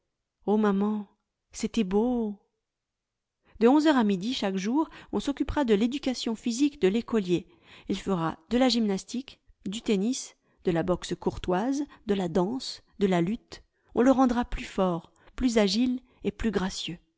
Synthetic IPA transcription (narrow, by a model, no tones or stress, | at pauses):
omamɑ̃ | set̪ɛbo | d̪əɔ̃zœʁamid̪iʃakʒuʁɔ̃sɔkʲypʁad̪əled̪ykasjɔ̃fizikd̪əlekɔlje | ilfəʁad̪əlaʒimnast̪ik | d̪yt̪enis | d̪̥əlabɔkskɔʁt̪wazd̪əlad̪ɑ̃s | d̪əlalyt̪ | ɔ̃ləʁɑ̃d̪ʁaplyfɔʁ | plyzaʒil | eplyɡʁasjø